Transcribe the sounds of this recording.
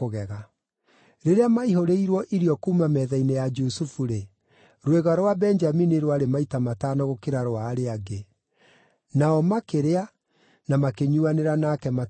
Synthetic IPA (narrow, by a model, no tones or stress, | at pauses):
oɣɛɣa | ɾeɾeamaiɦoɾeiɾwɔʔiɾiɔkuːmamɛðainejad͡ʒusufuɾe | ɾweɣaɾwabɛɲd͡ʒaminiɾwaɾemaitamataːnɔɣokeɾaɾoaːɾeaɡe | naɔmakeɾea | namakeɲuaneɾanakɛma